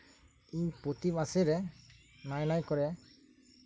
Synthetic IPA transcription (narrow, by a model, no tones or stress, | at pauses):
iɲpot̪ibasɛɾɛ | najnajkɔɾɛ